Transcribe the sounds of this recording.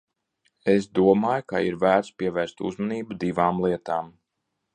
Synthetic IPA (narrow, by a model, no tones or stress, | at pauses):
esd̪uɔmaːjukaiɾvæːɾspiɛvæːɾst̪ṵzmɔniːbud̪ivaːmlˠiɛt̪aːm